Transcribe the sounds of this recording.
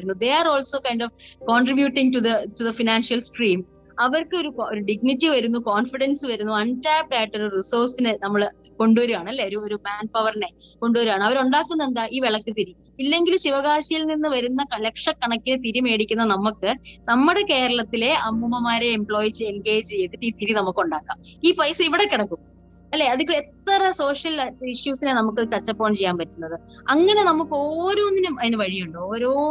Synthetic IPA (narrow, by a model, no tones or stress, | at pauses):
unːud̪e̞aːro̞ːlso̞ːkɐjɳɖoʋkoːɳɖribjuːʈːiŋɡtuðɐtuðɐfinaːnʂijɐlskriːm | ɐʋɐrkɨo̞ɾuoɾuɖiɡ̚nitːiʋɐɾunːukoːnfiɽɐnsɨʋɐɾunːuɐntaːp̚ʈaːjiʈːo̞ɾurisoːrsinɨnɐmːɐɭ | ko̞ɳɖuʋɐɾuaːɳɨɐlːeoɾuoɾumaːnpɐʋɐrɐne̞ko̞ɳɖuʋɐɾuaːɳɨɐʋɐɾuɳɖaːkːunːɐend̪aːʔiːʋeɭɐkːɨt̪iɾu | ilːe̞ŋɡilumɕiʋɐɣaːɕijilninːɨʋɐɾunːɐɐlekʂɐkːɐɳɐkːinet̪iɾume̞ːɽikʲːunːɐnɐmːukːɨnɐmːuɽe̞ke̞ːɾɐɭɐt̪ːile̞ɐːmumɐmaːɾe̞ːmpɭo̞ːjit͡ɕeŋɡeːd͡ʑt͡ɕejːet̪ːiʈːiːt̪iɾinɐmukːuɳɖaːkːa̰ːmiːpɐjsɨiʋiɽe̞kːɐɳɐkːum | ɐlːe̞ːɐðiket̪ːɐrɐso̞ːʂjɐliʂjuːsinenɐmuk̬ːɐt̪ɐt͡ɕːɐpːoːmt͡ɕe̞jːaːnpɐtːunːɐðɨ | ɐŋːɐne̞nɐmukːoːɾoːnːinumɐðinɨʋɐɻijuɳɖoːɾoː